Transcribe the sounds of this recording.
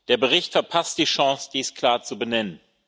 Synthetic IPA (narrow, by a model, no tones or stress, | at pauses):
d̥eːɐbəʁ̞ɪçtfɛɐpʰastd̥iːʃɑ̃ŋsd̥iːskʰl̥aːɐt͡subənɛnən